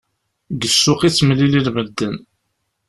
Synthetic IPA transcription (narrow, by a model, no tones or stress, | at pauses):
ɡəsːʊqit͡sːmlililvəd̪ːən